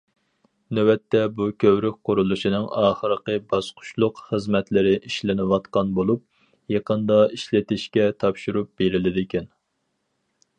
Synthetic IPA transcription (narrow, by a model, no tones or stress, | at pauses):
nøwɛt̪ʰːɛbukʲʰøwɾyk̚ʲqʊɾulˠuʃinɨŋɑːχəɾəqəbɑsqʰʊ̥ʃlˠʊqχəzmɛt̪lɪɾɪʔiʃlɪnɪwɑt̪qɑnbolˠup̚ | jeqənd̪ɑiʃlɪt̪ɪʃkʲɛt̪ʰɑpʃuɾup̚b̥eɾɪlɪd̪ɪkʲɛn